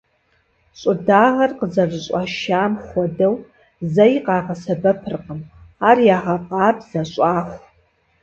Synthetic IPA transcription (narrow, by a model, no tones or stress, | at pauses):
ɕʼʊdaːʁɐrqəzɐrzɨɕʷʼaʃaːmχʷɔdɐw | zɐjiqʼɑːqɐsɐbɐpʰɨrqʼəmaːrjaːʁɐqʼɑːbz̥ɐɕʼaːxʷ